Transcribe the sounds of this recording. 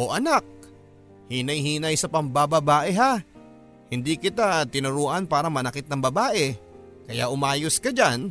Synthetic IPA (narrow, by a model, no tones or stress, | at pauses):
ʔoʔɐnak̚ | hiːnɐjhiːnɐjsɐpɐmbabɐbaːʔɛɦa | hɪnd̪ikɪt̪at̪ɪnʊɾuːʔɐnpaːɾɐmɐnɐkɪt̪nɐŋbɐbaːʔɛ | kɐja̰ʔʊmaːjoskɐd͡ʒan